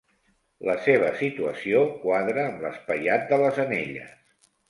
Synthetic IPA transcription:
ləseβ̞əsit̪uəsiokwaðɾəːmləspəjat̪̚d̪ələzəneʎə̰s

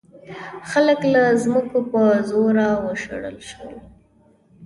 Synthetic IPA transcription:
xaləklazməkopəzoɾawəʃə̰ɽə̰lʃwə̰l

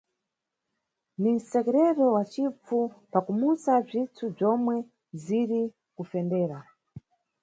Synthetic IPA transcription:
nin̩sɛkɛɾɛtɔwat͡ʃip͡fupakumusab͡ʐitʰub͡ʐɔmwɛ | ziɾi | kufɛndɛːɾa

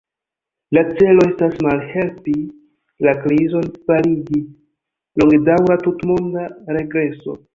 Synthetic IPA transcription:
lat͡se̞lo̞e̞stasmalhe̞lpi | lakɾizo̞nfaliɡi | loŋɡdawɾatutmo̞ndaɾe̞ɡɾe̞so̞̰

